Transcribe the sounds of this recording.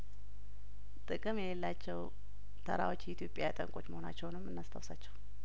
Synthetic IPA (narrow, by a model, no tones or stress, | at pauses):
t̪ʼɨkʼɨmjɛlɛlːat͡ʃːɛw | t̪ʰə̰ɾa̰wo̞t͡ʃːjɛit̪jo̞pʼjat̪ʼə̰ŋkʼo̞t͡ʃːməho̞na̰t͡ʃːɛwnɨmːɨnːast̪ʰawsat͡ʃːɛw